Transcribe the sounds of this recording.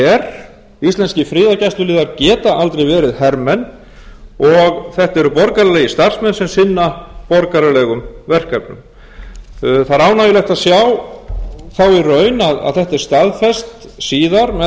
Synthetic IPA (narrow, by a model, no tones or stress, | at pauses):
ɛɾ̥ | ist̪ɛnscɪfɾiːðacasʏliːðaɾcɛːt̪aʔalt̪ɾeɛjvɛːɾɪðhɛɾmɛn | ɔɣθɛht̪ɛɾʏpɔɾkaɾalɛɣist̪ar̥smɛnsɛmsɪnːapɔɾkaɾalɛɣʏmvɛr̥kapnʏ̰m | θaɾaːwnajɪlɛxt̪asjaw | θawirœːɥnaða̰ðθɛht̪ɛɾ̥st̪aðfɛst̪siːðaɾmɛ